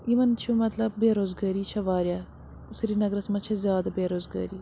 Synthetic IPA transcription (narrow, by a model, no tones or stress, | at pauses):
imɐnt͡ʃʰumɐt̪lɐb̚ːeːɾoːzɡaːɾiːt͡ʃʰɐʋaːɾjaː | usɾiːnɐɡɾɐsmɐt͡ʃʰɐzjaːd̪abeːɾoːzɡa̰ːɾiː